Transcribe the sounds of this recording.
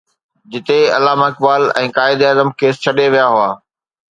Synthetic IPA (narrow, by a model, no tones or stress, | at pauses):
d͡ʑɪt̪eɐ̰laːmaɪk̚baːlɛ̰̃ːkaːɪd̪aːzəmkeːst͡ɕʰɐɗeʋijaɦʊaː